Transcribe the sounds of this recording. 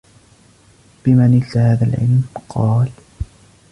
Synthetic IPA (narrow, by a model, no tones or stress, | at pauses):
b̥ɪmanɪlahaːðalʕɪ̰lmqʰɑːl